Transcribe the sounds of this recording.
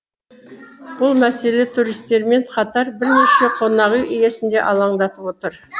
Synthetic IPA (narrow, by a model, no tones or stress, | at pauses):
b̥ʊlˠmæse̞let̪ʰuɾijst̪e̞ɾme̞ɴqʰɑt̪ɑɾbɪɾne̞ʃe̞qʰo̞nɑʁujʔije̞sɪnd̪e̞̰ʔɑlˠɑɴd̪ɑt̪əpwot̪əɾ